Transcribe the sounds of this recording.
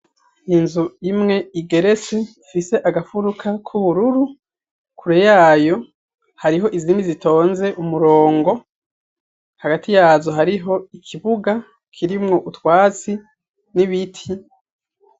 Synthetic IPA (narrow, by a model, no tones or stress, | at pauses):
inzuimŋe̞iɡe̞ɾe̞t͡se̞ | fise̞ʔaɡafuɾukʰakʰuβuɾuɾu | kʰuɾejaːjo̞ | haɾiɦo̞ʔizinizitʰo̞ːnze̞ʔumuɾo̞ːŋɡo̞ | haɡatʰijaːzoɦaɾiɦo̞ikʰiβuɡa | kʰiɾimŋo̞ʔutwaːt͡si | niβitʰi